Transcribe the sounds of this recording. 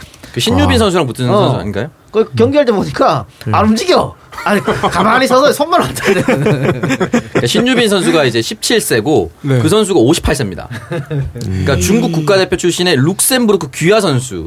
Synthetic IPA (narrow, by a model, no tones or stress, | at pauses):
kɯɕʰiɲːubinsʰʌns̬ʰuɾaŋputʰɯnʌnsua̰ɲik͈ajo | kʌkjʌŋɡiɦaɭt̬͈eboɲik͈aaɾumd͡ʑiɡjʌakkamaɾisʰʌsʰʌsʰʌnːaɾat͡ɕʰade | kaɕʰiɲːubins̬ʰʌns̬ʰuɡaid͡ʑe̞ɕʰip̚t͡ɕʰiɭs͈e̞ɡonkɯsʰʌns̬ʰuɡaoɕʰi̥pʰaɭs͈emɲida̰ | ik͈at͡ɕuŋɡuk͈uk̚k͈ade̞pʰjot͡ɕʰuɕ͈ʰine̞luk̚s͈e̞nbuɾokʰɯkiɦasʰʌnsʰṵ